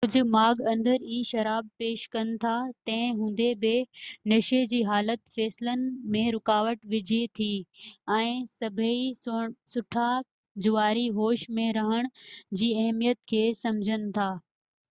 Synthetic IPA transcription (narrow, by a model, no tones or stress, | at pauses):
kʊd͡ʑʱʊ̆maːɡɐ̃nd̪əɾiʃɐɾaːb̚peːʃkɐnɪ̆t̪ʰat̪ɐ̃ɦɪ̃ɦũːn̆d̪ebɪnɐʃed͡ʑiːɦaːlət̪feːsɪlənɪ̆mẽɾʊkaːʋəʈʋɪd͡ʑʱit̪ʰiɛ̃ːsɐbʱisʊʈʰa | d͡ʑʊʋaːɾiɦoːʃmẽɾɐɦəɽ̃d͡ʑiːɐɦmijət̪kʰeːsɐmd͡ʑʱənɪ̆t̪ʰaː